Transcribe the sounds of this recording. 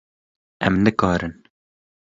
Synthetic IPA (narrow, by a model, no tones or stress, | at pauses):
ɛmnɨkɑːɾɨn